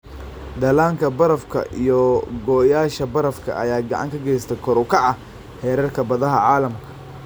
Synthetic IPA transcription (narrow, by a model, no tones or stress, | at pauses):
d̪ɐlaːŋkʰɐbɐɾɐfkʰɐ̰ʔḭjɔɡɔːjaːʃɐbɐɾɐfkʰɐ̰ʔɐ̰jaːɡɑ̰ʕɑ̰ŋkʰɐɡɛjst̪ʰɛkʰɔɾʊkʰɐʕɐ | hɛːɾɐrkʰɐbɐðɐɦɐʕaːlɐmkʰɐ̥